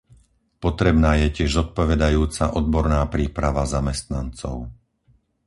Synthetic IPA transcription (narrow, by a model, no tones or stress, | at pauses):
pɔt̪ɾɛbnaːjɛcɪɛʒzɔt̪̚pɔʋɛd̪ajuːt͡saʔɔd̪̚bɔɾnaːpɾiːpɾaʋazamɛst̪nant͡sɔ̰ʊ